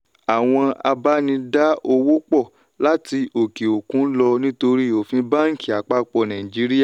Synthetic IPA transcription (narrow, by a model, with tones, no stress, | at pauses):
a˨w̃ɔ̃˧a̰˧ba˦nĩ˧da˦o˧wo˦k͡pɔ˦˨ | la˦ti˧ʔo˨ke˨o˨kũ˨˦n̩˦lɔ˧nĩ˦to˧ɾi˦o˨fĩ˧ba˦ŋ̩˦˨ki˨a˨k͡pa˧k͡pɔ˧˨nã˨ĩ˨d͡ʒi˦ɾi˦ja˦˨